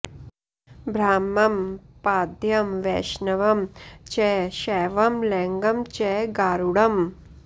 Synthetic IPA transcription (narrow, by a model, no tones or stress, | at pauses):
bʱɾaːmːɐmpaːd̪ʱjɐmʋḛːʃnɐʋɐmt͡ʃɛːʃɛːʋɐmleːŋɡɐmt͡ʃɛɡaːɾuɽɐm